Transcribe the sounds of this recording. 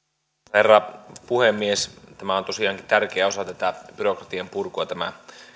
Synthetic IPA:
herːɑpuhemːiest̪æmæont̪o̞siɑːŋkit̪ærk̟eæo̞sɑt̪æt̪æb̥yrokrɑt̪iɑmpurkuɑt̪æmæ̰

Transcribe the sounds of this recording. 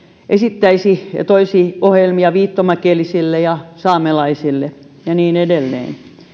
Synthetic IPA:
ʔesit̪ːæisiɑ̰t̪oisiohjelmiɑʋiːt̪ːomækieːlisilːejɑsɑːmelɑisilːe | jɑniːnedelːḛːn

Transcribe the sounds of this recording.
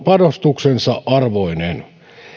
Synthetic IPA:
pɑnost̪uksensɑʔʔɑrʋoinen

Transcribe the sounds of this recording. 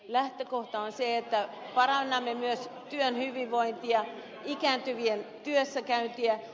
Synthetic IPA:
læht̪økoht̪ɑonseet̪ːæ | pɑrɑnːɑmːemyøst̪yønhyʋiʋʋoint̪iɑ | ikæːnt̪yʋient̪yøsːækæynt̪iæ

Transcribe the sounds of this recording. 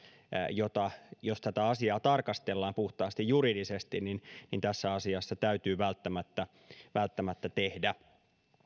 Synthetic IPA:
jot̪ɑjost̪æt̪æɑsiɑːt̪ɑrkɑst̪elːɑːmpuht̪ɑːst̪ijjuɾidisest̪inninnint̪æsːæɑsiɑsːɑt̪æyt̪yːʋælt̪ːæmæt̪ːæ | ʋælt̪ːæmæt̪ːæt̪ehdæ

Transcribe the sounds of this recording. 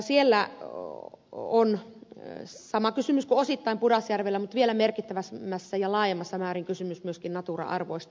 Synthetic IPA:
sielːæ | on | sɑmɑkysymyskuosit̪ːɑimpudɑsjærʋelːæmut̪ʋielæmerkit̪ːæʋæsmːæsːæjɑlɑːjemːɑsːɑmæːriŋkysymysmyøskinnɑt̪urɑ̰ʔɑ̰rʋoist̪

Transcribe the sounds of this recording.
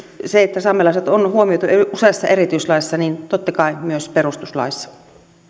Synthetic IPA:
seet̪ːæsɑmːelɑˑset̪onhuomiot̪ueusesːɑerit̪yislɑisːɑnint̪ot̪ːɑkɑimyøsperust̪uslɑ̰ˑisːɑ̥

